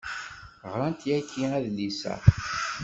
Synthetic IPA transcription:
ʁɾˤant̪jækʰːiæðlisæ̰

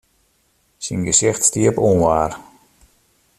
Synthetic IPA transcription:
sinɡəsɪxtstiəpunʋaːr

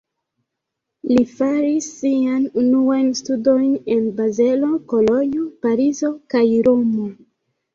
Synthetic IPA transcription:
lifaɾisːianunuajnstudo̞jne̞nbaze̞lo̞ko̞lo̞ɲopaɾizo̞kajɾo̞mo̞

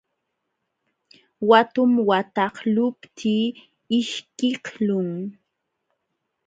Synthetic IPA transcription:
wat̪ʊmwat̪ɑhlʊpt̪ʰiː | ɪʃkɪhlʊŋ

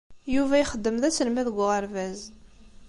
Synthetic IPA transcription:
juvæjχəd̪ːəmðæt͡sːəlmæðəɡʷːʊʁəɾvæz

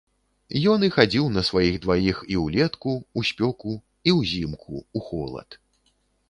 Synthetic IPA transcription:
jɔnixad͡zʲiwnɐsvajiɣd̪vajixiwlʲɛt̪kuusʲpʲɔku | iwzʲimkʰṵuxɔlˠɐ̰t̪

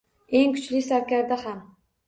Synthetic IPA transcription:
eŋkʰʲʊ̥t͡ʃlisaɾkʲaɾd̪aham

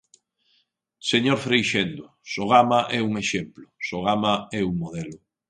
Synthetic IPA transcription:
seɲoɾfɾejʃend̪ʊ | soɣ̞amaʔɛuŋeʃemplʊsoɣ̞amaɛuŋmoð̞ɛlʊ

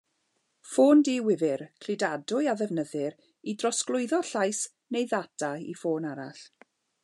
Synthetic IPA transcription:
foːndiwɪvɪɾkʰl̥ɪdadʊjaðɛvnəðɪɾ | idrɔsklˠʊɨðɔɬajs | nejðatʰaḭfoːnaɾa̰ɬ

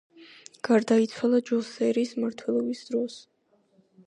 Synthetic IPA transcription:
ɡ̥aɾd̪ait̪sʰwalˠad͡ʒɔsɛɾiːsmaɾt̪ʰwɛlˠɔbisd̪̥ɾɔs

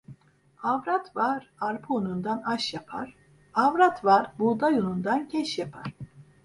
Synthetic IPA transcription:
avɾat̪vaɾaɾpʰuonund̪anaʃjapʰa̰ɾ̥ | avɾat̪vaɾbud̪ajonund̪ancʰɛʃjapʰaɾ̥

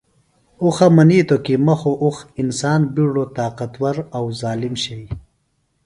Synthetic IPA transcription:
uxɐmɐniːt̪okimɐxoʔuxinsaːnbiɽot̪aːqɐt̪wɐɾɐwzaːlimɕej

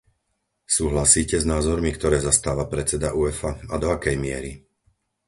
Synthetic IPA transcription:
suːɦlasiːcɛznaːzɔɾmikt̪ɔɾɛːzast̪aːʋapɾɛt͡sɛd̪aʔuːɛfaad̪ɔakɛjmɪɛ̰ɾi

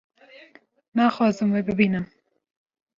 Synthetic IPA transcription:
naxɑzəmwebɪbinəm

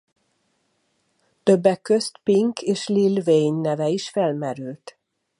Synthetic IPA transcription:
t̪øbːɛkːø̞st̪piŋkʰeːʃlilvejnːɛvɛiʃfɛlmɛɾylt̪

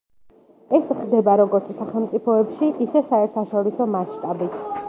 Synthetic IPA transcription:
ɛsχd̪ɛbaɾɔɡɔɾt̪sʰsaχɛlˠmt̪sʼipʰɔɛpʃiʔisɛsaɛɾt̪ʰaʃɔɾisɔmasʃt̪ʼabit̪ʰ

